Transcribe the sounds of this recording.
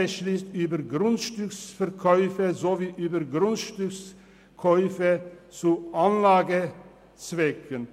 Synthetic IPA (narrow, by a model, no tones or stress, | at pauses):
əʃliːst̪yːbəɾɡɾʊnt̪ʃtʏksfɛɾkʰœʏfəzoviːʔyːbəɾɡɾʊnt̪ʃtʏks | kʰɔʏfət͡suʔanlaːɡə | t͡svɛkʰən